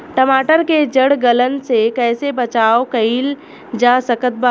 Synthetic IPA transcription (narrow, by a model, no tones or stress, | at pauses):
ʈəmaːʈəɾked͡ʒəɽɡələnsekɛːsebɐt͡ʃaːokəil | d͡ʒasəkət̪̚ba